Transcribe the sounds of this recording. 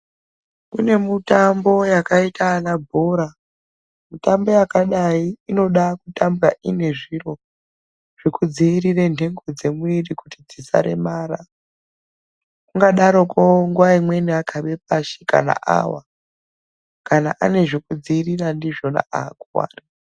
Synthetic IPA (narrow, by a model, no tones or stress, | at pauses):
kune̞mutambo̞jakaitʰaːnabʱo̞ɾa | mutambo̞jakaɗaiːno̞ɗakutambura̰ʔine̞ʐiro̞ | ʐ̥ekud͡ziiɾirendʱe̞ŋɡo̞d͡ze̞muirikutid͡zisa̰ɾe̞̰maːɾa | kuŋɡaɗaɾo̞koŋɡuwaimwe̞niakʰaɓe̞p̚aʃika̰na̰ʔa̰wa̰ | kana̰ʔa̰ne̞ʐekud͡ziːrirandiʐo̞na̰ʔa̰akuwa̰ːri